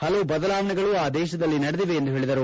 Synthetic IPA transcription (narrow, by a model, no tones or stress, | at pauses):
hɐlɐʋubɐd̪ɐlaːʋɐnɛɡɐɭuaːd̪ɛːʃɐd̪ɐlːinɐɽed̪iʋeːnd̪uɦe̞ːɭid̪ɐɾu